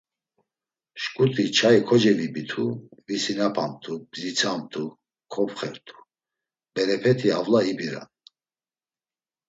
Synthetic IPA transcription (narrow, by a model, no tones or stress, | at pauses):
ʃkʼut̪ʰʼit͡ʃʰaikʰɔd͡ʒɛvibit̪ʰuvisinapʰamt̪ʰub̥zit͡sʰamt̪ʰu | kʰɔpʰχɛɾt̪ʰu̥ | b̥ɛɾɛpʰɛt̪ʰiavlaibiɾa̰n